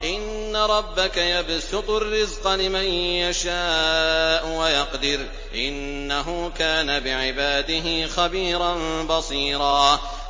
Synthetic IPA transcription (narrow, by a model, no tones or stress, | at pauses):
ʔɪnːaɾˤɑbːakajabsʊt̪ˤʊrːɪzqɑlɪmanjaʃaːʔʊwajɑqd̪ɪɾ | ʔɪnːaɦʊːkaːnabɪʕɪbaːd̪ɪɦɪːxabiːɾˤɑnbɑsˤiːɾˤɑː